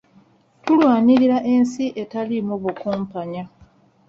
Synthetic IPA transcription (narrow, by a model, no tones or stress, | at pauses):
tulwaːɲiɾiɾaʔe̞nsiʔe̞talimuβukuːmpaɲa